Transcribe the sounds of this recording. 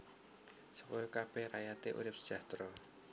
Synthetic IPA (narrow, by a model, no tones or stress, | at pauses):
səpɔjɔkab̥ɛhɾajat̪eʔṵɾɪp̚sə̥d̥d͡ʒ̥a̤ht̪ɾɔ